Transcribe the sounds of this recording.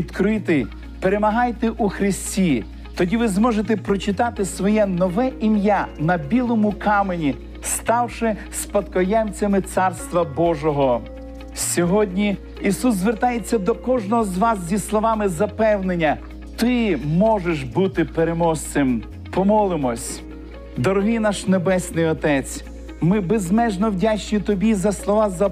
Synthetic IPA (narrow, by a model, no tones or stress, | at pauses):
ʋid̪kɾɪt̪ɪ | peɾemɐɦɑjt̪eʔuxɾɪsʲtʲi | t̪ɔdʲiʋɪzmɔʒet̪epɾɔt͡ʃɪt̪ɑt̪ɪsʋɔjɛnɔʋɛʔimjanɐbʲilˠɔmʊkɑmenʲi | st̪ɑwʃɪspɐd̪kɔjɛmt͡sʲɐmɪt̪sɑrst̪ʋɐbɔʒɔɦɔ | sʲɔɦɔdʲnʲi | isuszʋert̪ɑjet͡sʲːɐd̪ɔkɔʒnɔɦɔzʋɑs̬zʲislˠɔʋɑmɪzɐpɛwnenʲːɐ | t̪ɪmɔʒeʃbut̪ɪpeɾemɔst͡s̪ɪm | pɔmɔlˠɪmɔsʲ | d̪ɔɾɔɦɪnɑʃnebɛsʲnɪjɔt̪ɛt͡sʲ | mɪbezmɛʒnɔwdʲat͡ʃnɪt̪ɔbʲizɐslˠɔʋɑzɐ